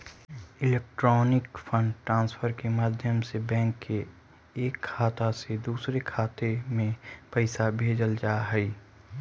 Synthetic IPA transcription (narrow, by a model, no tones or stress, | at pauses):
ɪleːk̚ʈɾɔːnɪkfə̃ɳɖʈɾãːnsfʰəɾkemaːd̪ʱjəmsebɛ̃ːŋkːe | eːkʰːaːt̪ased̪uːsɾekʰaːt̪emẽpɛɪsabʱeːd͡ʒəld͡ʒaːɦɛi